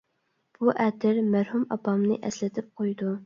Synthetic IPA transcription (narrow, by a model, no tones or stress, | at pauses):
b̥uʔɛt̪ʰɪɾmæɾhumɑ̰pʰɑmnɨ̰ʔɛslɪt̪ʰɪp̚qʰojd̪u